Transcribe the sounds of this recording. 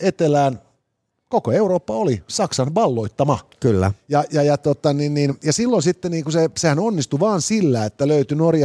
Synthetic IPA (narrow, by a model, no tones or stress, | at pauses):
et̪elæːn | kokoeuroːpːɑolisɑksɑnʋɑlːoit̪ːɑmɑkylːæ̰jɑjɑjɑt̪ot̪ːˑɑninninjɑsilːonsit̪ːeniːŋkusesehænonːist̪uʋɑːnsilːæːet̪ːæløyt̪ynorjɑ